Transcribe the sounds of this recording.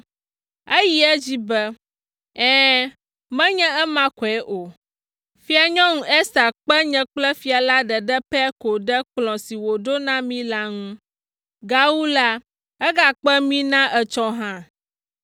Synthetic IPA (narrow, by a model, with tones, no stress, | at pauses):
ɛ˦ji˦ɛ˦d͡ʑi˦bɛ˦ | ɛ̃ː˦ | mɛ̃˦ɲɛ̃˦ɛ˦mã˦kɔ˨ɛ˦ʔo˨ | fi˦a˨ɲɔ̃˦ŋũ˨ʔɛ˦sa˨k͡pɛ˦ɲɛ̃˦k͡plɛ˦fi˨a˨la˦ɖɛ˨ɖɛ˦pɛ˦ko˨ɖɛ˦k͡plɔ̃˨si˨wo˨ɖo˦nã˦mĩ˦la˦ŋũ˦ | ɡa˦wu˦la˦ | ɛ˦ɡa˦k͡pɛ˦mĩ˦nã˦ʔɛ˨t͡ʃɔ˦ɦã˦